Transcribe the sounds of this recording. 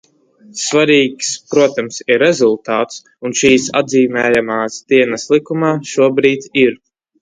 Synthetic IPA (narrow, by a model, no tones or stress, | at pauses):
svaɾiːkspɾuɔt̪amsiɾezulˠt̪aːt̪s | unʃiːsa̰d̪ziːmɛːjamaːsd̪̥iɛnɛst̪lˠikumaːʃuɔbɾiːt̪ʲiɾ